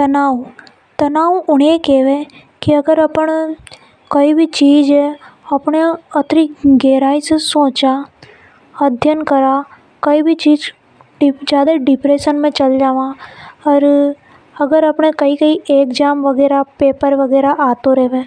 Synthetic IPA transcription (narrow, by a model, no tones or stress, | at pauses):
t̪ɐnaːw | t̪ɐnaːwʊɽekeʋẽ | kiɐɡəɾɐpən | kɐibʱit͡ʃiːd͡ʒɛɐpɳeɐt̪ɾiɡeːɾaːisesoːt͡ʃa | ɐd̪ʱjənkɐɾa | kɐibʱit͡ʃiːd͡ʒ | ɖd͡ʒjaːd̪aɖɪpɾeːʃənmẽt͡ʃɐld͡ʒaːʋaɔːɾ | ɐɡəɾɐpɳekɐikɐiʔeːkd͡ʒaːmʋɐɡɛːɾapeːpəɾʋɐɡɛːɾaʔaːt̪oɾɛːʋẽː